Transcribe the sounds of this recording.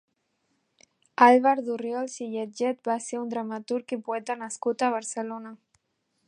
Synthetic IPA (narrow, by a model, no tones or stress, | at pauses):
alβaɾðuriɔlˠsiʎed͡ʒɛt̪̚baseund̪ɾamat̪uɾkipuɛt̪ənaskut̪əβəɾsəlonə